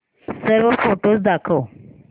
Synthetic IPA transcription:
səɾofoʈozd̪ɑkow

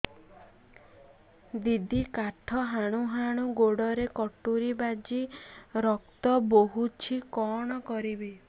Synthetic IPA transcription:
d̪id̪ʱikaʈʰɔɦaɽ̃uɦaɽ̃uɡoɽɔɾekɔʈːuɾibad͡ʒiɾɔkt̪ɔboɦut͡ʃʰikɔɽ̃ɔkɔɾibi

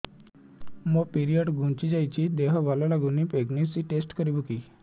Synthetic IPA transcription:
məpiɾijəɖɡʱũɳt͡ɕid͡zajt͡ɕiːd̪eɦʋalalaɡuniːpeɡnisiːʈesʈkəɾibukiː

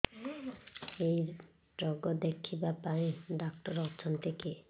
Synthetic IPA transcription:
ej | ɾɔɡɔd̪ekʰibapaẽɖak̚ʈɔɾɔt͡ʃʰɔnt̪ʰeke

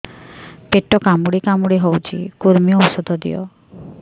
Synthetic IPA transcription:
peʈɔkamuɽikamuɽiɦowt͡ʃʰḭkuɾmiɔusɔd̪ʱɔd̪ḭjɔ̰

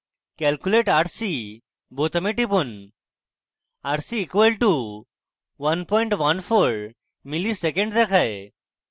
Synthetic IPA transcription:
kɛlkjuleʈaʈsi | bot̪ɐmiʈip̬un | aʈsiːkʋelʈu | ʋɐnpɔ̃jɳʈʋɐnfʰoɾ | milisekẽɳɖt̪ekʰae

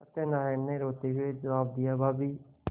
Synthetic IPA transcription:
ət̪eːnãːɪnːẽːɾoːt̪eːɦʊeːd͡ʒəʋaːb̚d̪ɪjaːbaːbiː

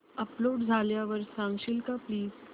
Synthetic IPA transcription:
əploːɖd͡zʱaljaʋəɾsãŋɡɕilkapliːz

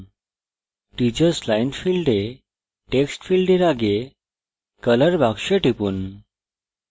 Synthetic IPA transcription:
ʈit͡ɕəɾslajnfilɖe | ʈeksʈfilɖeɾaɡe | kələɾbʱakʂeʈʰipuːn

